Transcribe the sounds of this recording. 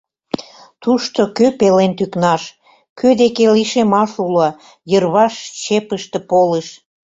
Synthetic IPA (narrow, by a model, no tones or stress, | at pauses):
t̪uʃt̪okøpelent̪yknɑʃ | kʰød̪ekeliʃemɑʃulo | jərβɑʃt͡ɕepəʃt̪ĕpoleʃ